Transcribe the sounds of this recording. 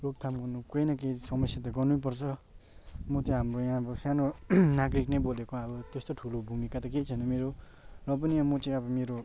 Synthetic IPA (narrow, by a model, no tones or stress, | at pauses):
lok̚t̪ʰamɡʌnukojnʌkesʌmʌsjat̪̬aɡʌnup̬ʌɾt͡sʰʌ | mʌt͡sʌ̃j̃ɦamɾojãbʌsanonaɡɾiknebolekoabʌt̪est̪oʈʰulobʱumikat̪ʌket͡sʰʌnʌmeɾo | lʌp̬ʌnijãmʌt͡sĩabʌmeɾo